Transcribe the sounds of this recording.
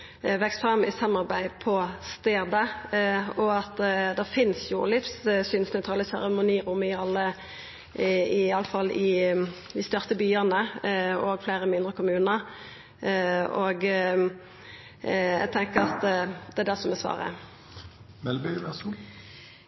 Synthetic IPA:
ʋɛkst̪fɾɑmɪsɑmɑɾbæɪpʰɔst̪eːd̪ə | ɔɑt̪d̪ɛfɪnsjʊ̰lɪfssyːnsnæt̪ʰʁɑləsæʁəmʊniːʁʊmɪɑlːə | ɪɑləfɑlɪ | ʋɪst̪œʁt̪əbyːənəɔɡfleɪɾəmɪnd̪ʁəkʰʊmʉːnəɾ | oːɡ | jæ̰ɡ̚t̪ʰɛŋkəɾɑt̪d̪ɛæd̪æʁsɔmɛsʋɑ̰ːʁə̰ | ʋɛlbyʋɛs

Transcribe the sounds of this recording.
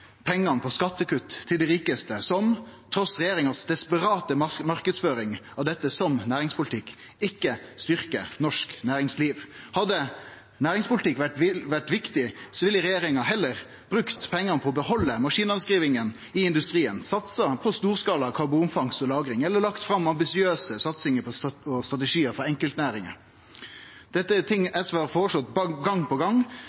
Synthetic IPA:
pʰɛŋːɑnpʰɔskɑt̪ːəkʉt̪ːt̪ʰːɪld̪ɛɾiːkəst̪əsɔmt̪ʰɾɔsʁɛjeːɾɪŋɑsd̪ɛspəɾɑːt̪əmɑʁkəd̪sføːɾɪŋɑʋd̪ɛt̪ːəsɔmnæːɾɪŋspʰʊlɪt̪ʰɪkː | ɪkːəst̪ʏʁkə̰nɔʂknæːɾɪŋsliːʋhɑd̪ə | næːɾɪŋspʊlɪt̪ʰɪkːʋæʈɪʋæʈʋɪkt̪ɪsɔʋɪləɾɛjeːɾɪŋɑhɛlːəɾ | b̥ɾʉkt̪pʰɛŋːəpʰɔɔbəhɔlːəmɑʂiːnɑnskɾiːʋɪŋən | ɪɪnd̪ʉst̪ɾiːə̰nsɑt̪sɑpʰɔst̪uːʁskɑːlɑkʰɑɾbuːnfɑŋsɔlɑːɡɾɪŋɛlːəɾlɑkt̪fɾɑmːɑmbɪsɪøːsəsɑt̪sɪŋəpʰɔɔst̪ɾʁɑt̪əʂiːəɾfɔɾɛŋkəlt̪næːɾɪŋə̰ | d̪̥ɛt̪ːət̪ʰɪŋɛsʋɑʁfɔːʁʂɔt̪ːbɑɡɑŋpɔɡɑŋ

